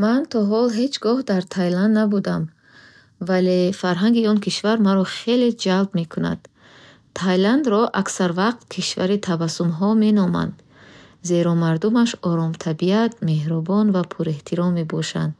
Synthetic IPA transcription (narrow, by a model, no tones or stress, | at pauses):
mant̪ʰɔɦɔlɦe̞t͡ʃɡɔhd̪aɾt̪ʰajland̪nabud̪am | valefaɾɦaŋɡiɔnkʰiʃvaɾmaɾɔχe̞led͡ʒalbme̞kʰuna̰d̪̥ | t̪ʰajland̪ɾɔʔaksaɾvaq̚t̪̚kʰiʃva̰ɾit̪ʰabasumɦɔme̞nɔma̰nd̪ | ze̞ɾɔmaɾd̪umaʃɔɾɔmt̪ʰabiat̪̚me̞hɾɔbɔnvapʰuɾeht̪ʰiɾɔmːe̞bɔʃa̰nd̪